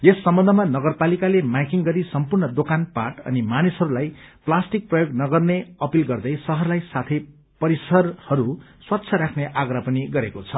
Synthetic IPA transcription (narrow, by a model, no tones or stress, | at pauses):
esːʌmbʌnd̪ʱʌmanʌɡʌrpalikalemajkiŋɡʌɾisʌmpurnʌd̪okanpaʈʌ̰nimanisɦʌɾulajplasʈik̚prʌjoɡnʌɡʌrneʌpilɡʌrd̪ʌjsʌɦʌrlajsat̪ʰʌj | pʌɾisʌrhʌɾu | swʌtːsʰʌɾakʰneʔaɡrapʌniɡʌɾekot͡sʰʌ